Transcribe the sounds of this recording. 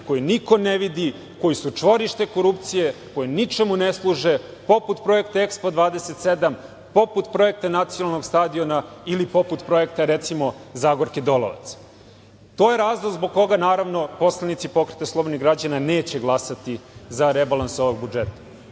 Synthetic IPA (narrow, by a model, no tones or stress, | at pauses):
ko̞jiniko̞neʋid̪i | ko̞jisut͡ʂʋo̞ɾiʃt̪e̞ko̞ɾupt̪sije̞ko̞jenit͡ʃemuneslˠuːʒe | po̞put̪pɾo̞e̞kt̪aekspod̪ʋaːd̪eset̪se̞d̪am | po̞put̪pɾo̞je̞k̚t̪anat̪sijonalno̞ɡst̪aːd̪io̞nailipo̞put̪pɾo̞e̞kt̪aɾet̪simozaːɡoɾked̪o̞lˠo̰ʋa̰t̪s | t̪o̞ːjeɾaːzlˠoɡ̪zboɡ̚ko̞ɡanaːɾaʋno̞po̞slenit̪sipo̞kɾet̪aslˠo̞boniɡɾad͡ʑananeːt͡ɕe̞ɡlˠasat̪izaɾebalˠansoʋoɡ̚bud͡ʒet̪ḁ